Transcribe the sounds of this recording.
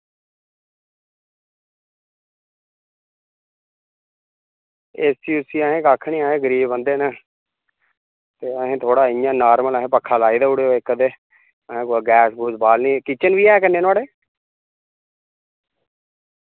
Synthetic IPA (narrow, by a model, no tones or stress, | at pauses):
eːsiːʊsiːaɦẽːkaːkʰːnĩːaːɦẽːɡəɾiːbə̃nd̪eːnə | t̪eːəɦẽːt̪ʰoːɽaːɪjãːnaːɾmələɦẽːpəkʰːaːlaːiːd̪aːuɽeːoːɪkːəd̪eː | əɦẽːkoɡɛːsbuːsbaːlniːkiːt͡ʃənʋiːɛːkənːeːnaːɽeː